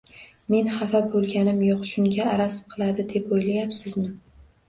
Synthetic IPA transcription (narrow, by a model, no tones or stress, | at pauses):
me̞nχafabolˠɡʲanɪmjoqʃʊŋʲaːɾasqʰɨlˠad̪ɪd̪e̞pojlajapsɪzmɪ